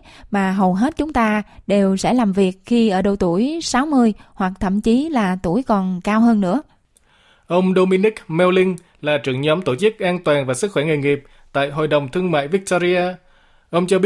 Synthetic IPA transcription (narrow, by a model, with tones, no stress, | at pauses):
maː˨˩ɦə˨˩wɦe˦˥t̚t͡ɕʊ˨˦ŋ͡mt̪aː˧ɗe˨˩wsɛ̰˧˥laː˨˩mvi˨˩ək̚xi˧ʔəː˧˩ɗə˨˩wt̪u˧˩əjsaː˨˦wmɨ˧əjhwa˨˩k̚t̪ʰə̰˧˨mt͡ɕi˨˦laː˨˩t̪u˧˩əjkɔ˨˩nkaː˧wɦəː˧nːɨ̰˧˥ə | ʔə˧wŋ͡mɗo˧mi˧ni˦˥k̚mɛ˧wlï˧ŋ | laː˨˩t͡ɕɨ̰˧˩əŋɲɔ˨˦mt̪o˧˩t͡ɕɨ˦˥k̚ʔaː˧nt̪waː˨˩nvaː˨˩sɨ˦˥k̚xwɛ˧˩ŋe˨˩jŋi˨˩p̚ | t̪a̰ː˧˨jɦo̰˧˨jɗə˨˩wŋ͡mt̪ʰɨ˧əŋma̰ː˧˨jvi˦˥k̚t̪o˧zi˧aː˧ | ʔə˧wŋ͡mt͡ɕɔ˧ɓi˦˥